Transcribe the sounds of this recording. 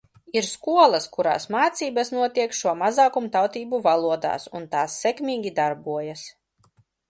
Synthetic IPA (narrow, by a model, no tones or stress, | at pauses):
iɾskuɔlˠɐskuɾa̰ːsmaːt̪siːbasnuɔt̪iɛkʃuɔmazaːkumt̪awt̪iːbuvalˠuɔd̪a̰ːsṵnt̪aːsːɛkmʲiːɡʲid̪aɾbuɔjas